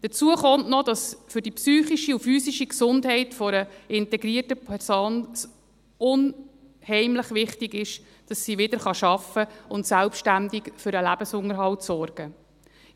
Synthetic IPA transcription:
d̥ət͡suəχɔntnɔd̥ɑsfʏɾdipsyːχiʃiufyːsiʃiksʊndɦɛɪtfɔɾəɪntɛɡɾiətəpʰɛɾsoːns | ʊn | hɛɪmlɪχʋɪχtɪɡɪʃ | d̥ɑsːiʋɪd̥̪əɾχɑʃɑfəʊntsælpʃtændɪkfʏɾəlæb̥əsʊŋəɾɦɑltsɔrɡ̥ə

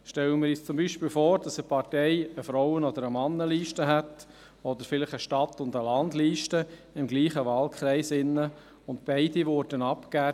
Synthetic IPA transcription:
ʃtɛləmɪːɾist͡sʊmbiːʃpiːlfɔːɾd̥ɑsəpʰɑrtɛɪəfɾɔwənɔd̪əɾəmɑnːəliːʃtəɦɛt | ɔd̪əɾfɪlɪχəʃtɑt̪ːʊndəlɑndliːʃtə | ɪmɡliːχəʋɑːlkʰχʁɛɪsɪnːə | ʊnt̚b̥ɛɪdivʊɾd̥ənɑpkæː

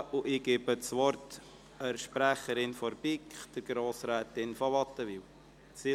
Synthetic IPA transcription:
uʔɪɡ̥ɪbət͡sʋɔɾt | əɾʃpɾæχəɾɪnfɔɾbɪkχd̥əɾɡɾoːsɾɛːtɪnfɔvɑt̪ːəviːw | si

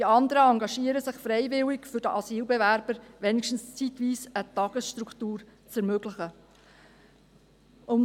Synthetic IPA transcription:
d̥iɑnd̪əɾəɑŋɡɑʃiːəɾəsɪχfɾɛɪvɪlɪkfʏɾdəʔɑsiːlbevæɾb̥əɾʋɛnɪkʃtn̩st͡sitʋiːsət̪ɑɡ̥əsʃtɾukʰtuːɾt͡sɛɾmøɡ̥lɪχə | ʔʊm

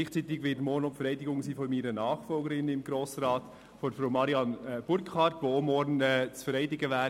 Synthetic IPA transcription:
iɪχt͡siːt̪ɪɡʋɪtmɔɾnʊmpfəɾɛɪdɪɡʊŋsiːfɔmiːɾənɑːχfɔlɡəɾɪnəɪmɡ̥ɾoːsɾɑːt | fɔdfɾoʊmɑɾiɑnb̥ʊɾkʰχɑrtʋoːomɔɾnɛt͡sfəɾɛɪdɪɡəʋæː

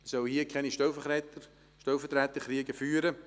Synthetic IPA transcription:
sœlhiəkʰɛniʃtɛlfəɛtə | ʃtɛlfət̪ɾɛːt̪əχɾiəɡəfyːɾə

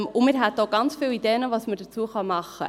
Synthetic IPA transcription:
ʊmɪɾɦɛt̪ːoɡ̥ɑnt͡sfiːlid̥eːnəvɑsməd̥ət͡suəχɑmɑχːə̰

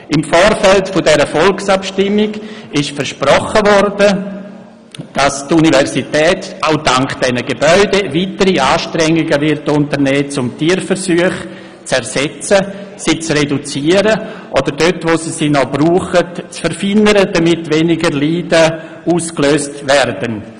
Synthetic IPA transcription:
ɪmfoːɾfɛltfʊdɛɾəfɔlksapʃtɪmːɪɡɪʃfəɾʃpɾɔχəvɔrdə | d̥astunivɛɾsitɛːtʔaʊdaŋkd̥ɛnəɡebœʏdeviːtəɾiaːʃtɾɛŋːiɡəvɪɾtʊntəɾnɛːt͡sʊmtiːɾfəɾsyəχ | t͡sɛɾsɛt͡səsit͡sredut͡siːəɾəʔodəɾdøtvoːsisinɔbɾuːχətt͡sfɛɾfinəɾəd̥amɪtvɛnɪɡəɾliːdə | uːskløːstvɛɾdən

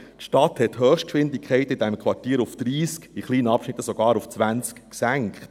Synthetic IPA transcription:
tʃtɑt̪hɛthøːχʃt̚kʃʋɪnd̪ɪkʰχɛɪt̪əid̪ɛmkʰʋɑrtiːɾufd̥̪ɾiːskiχliːnəɑpʃnɪt̪ːəsɔɡ̥ɑːɾuft͡sʋænt͡skksæŋkχt

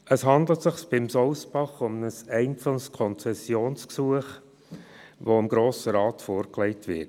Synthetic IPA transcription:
əshɑnd̪lətsɪχsb̥ɪmsɔʊsbɑχʊmnəsɛɪnt͡sɑnskʰɔnt͡sɛsjoːnsksuəχ | ʋoɪmɡɾoːsəɾɑːtfoːɾklɛɪtʋɪt

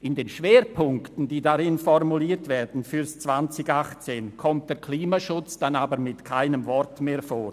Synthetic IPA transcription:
ɪndeːnʃv̥eːɾpʰʊŋktn̩d̥iːdaɾɪnfɔrmuliːtv̥ɛːɾdn̩fyːɾst͡sv̥ant͡sɪɡaχt͡seːnkʰɔmt̚d̥ɛːɐkʰliːmaʃʊt͡sd̥anaːbəɾmɪtkʰaɪnəmvɔrtmeːfoːɾ

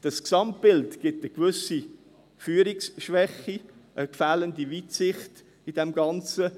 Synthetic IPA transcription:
d̥ɑsksɑmtb̥ɪltɡ̥ɪtəkvʏsi | fyːəɾiksʃʋɛχiʔəkfæːləndivitsɪχt | idɛmɡɑnt͡sə

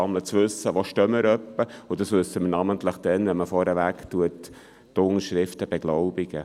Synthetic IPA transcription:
ɑmlət͡sʋʉsːəʋoʃtœməɾœpːəud̥ɑsʋɵsːəmənɑmənt̪ləχd̥ɛnʋɛnməfɔɾəʋæktuətː | ʊŋəʃɾɪftəb̥ɛɡ̥lɔʊbiɡ̥ə

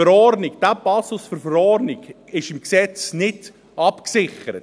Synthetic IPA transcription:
əɾɔrnɪɡd̥æpɑsʊsfʏɾfəɾɔɾnɪɡ | ɪʃɪmksɛt͡snɪd | ɑpksɪχəɾət

